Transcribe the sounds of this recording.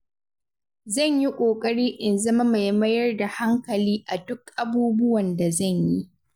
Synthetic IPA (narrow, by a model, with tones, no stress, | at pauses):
zɐ˦˨ɲji˦kʷʼoː˨kʼɐ˦ɽiː˦ʔɪ˨nzɐ˦ma˦ma˨jmɐ˦jɐ˦rda˨ha˦ŋkɐ˨liː˦ʔa˨dʊ˦kʔa˨buː˦bʊ˦wɐ˨nda˨zɐ˦˨ɲji˦